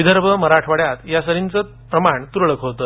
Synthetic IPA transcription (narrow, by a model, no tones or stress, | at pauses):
ʋid̪ʱəɾbʱəməɾaʈʰʋaɽjat̪jasəɾint͡sə | pɾəmaɳt̪uɾɭəkɦot̪əː